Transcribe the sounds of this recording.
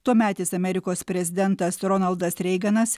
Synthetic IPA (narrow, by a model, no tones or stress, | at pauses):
t̪uɔmʲæːt̪ʲisɐmʲɛɾʲɪkoːspʲɾʲɛzʲɪd̪ʲɛnt̪ɐsɾɔnɐlˠd̪ɐsɾʲɛɪɡɐnɐs